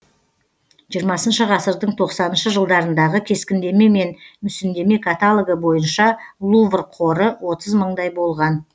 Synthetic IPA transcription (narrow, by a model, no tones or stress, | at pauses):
ʒijəɾmɑsənʃəʁɑsəɾd̪əɴt̪ʰo̞qsɑnənʃəʒəlˠd̪ɑɾənd̪ɑʁəkʲʰe̞skʲɪnd̪e̞me̞me̞nmʏsɪnd̪e̞me̞kʰat̪alˠəɡəbo̞jənʃɑlˠuvrqʰo̞ɾəwo̞t̪əzməɴd̪ɑjbo̞lˠʁɑn